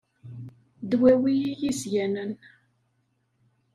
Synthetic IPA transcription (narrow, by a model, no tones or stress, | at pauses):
d̪wæwijijisʝænən